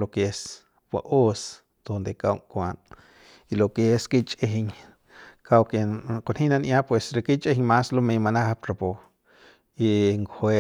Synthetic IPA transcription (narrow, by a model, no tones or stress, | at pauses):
lokes | pwa̰ʔos | d̪̥ond̪ekawŋkʷan | ilokeskit͡ʃʼeɦiɲ | kawkekonhinanʔjaʔpwesɾekit͡ʃʼehiɲmaslomejmanahapɾapo | iŋkhwe